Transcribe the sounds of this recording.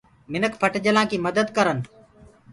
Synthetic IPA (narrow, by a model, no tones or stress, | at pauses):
mɪnəkpʰəʈd͡ʒəlãːkiːməd̪əd̪kəɾən